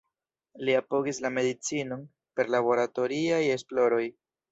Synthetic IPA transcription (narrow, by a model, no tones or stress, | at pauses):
liapo̞ɡislame̞dit͡sino̞n | pe̞ɾlabo̞ɾato̞ɾiaje̞splo̞ɾo̞j